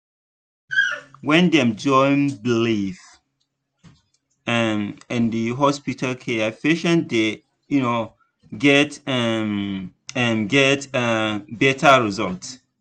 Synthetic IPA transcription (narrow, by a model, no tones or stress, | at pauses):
wɛ̃ndɛ̃md͡ʒɔ̃ɪ̃nbilif | ɛmɛ̃ndiɦɔspitʰalkʰɛafeʃə̃nde | juno | ɡɛtɛm | ɛmɡɛtɛbɛtʰaɹizɔlt